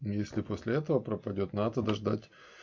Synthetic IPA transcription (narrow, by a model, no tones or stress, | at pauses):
jesʲlʲɪposʲlʲɪɛt̪əvəpɾəpɐdʲo̞t̪nad̪əd̪ɐʐd̪atʲ